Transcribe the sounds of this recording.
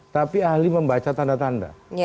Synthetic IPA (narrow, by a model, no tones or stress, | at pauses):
t̪apiahliməmbat͡ʃat̪andat̪anda̰